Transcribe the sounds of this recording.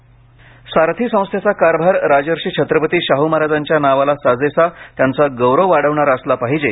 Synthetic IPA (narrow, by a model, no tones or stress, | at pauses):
saɾt̪ʰiːsə̃w̃st̪ʰjat͡sakaɾbʱaɾɾad͡ʑəɾɕiːt͡ɕʰət̪ɾəpət̪iːɕaɦumaɾad͡zaɲt͡ɕjanaʋalasad͡zesat̪jant͡saɡəwɾəʋaɽ̤əʋɳaɾaəslapaɦid͡ʑe